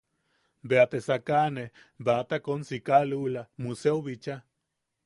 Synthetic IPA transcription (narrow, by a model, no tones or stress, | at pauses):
beat̪esakane | bat̪akonsikalulamuseuβit͡ʃa